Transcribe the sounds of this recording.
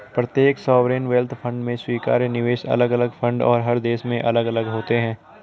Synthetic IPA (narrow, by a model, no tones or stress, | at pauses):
pɾɐt̪jeːksɔːʋɾeːnʋeːlt̪ʰpʰə̃ɳɖmẽswiːka̰ːɾjnɪʋeːʃɐ̰ləɡɐləɡfʰə̃ɳɖɔ̰ːɾɦɐɾd̪eːʃmẽʔɐləɡɐləɡɦoːt̪eɦɛ̃ː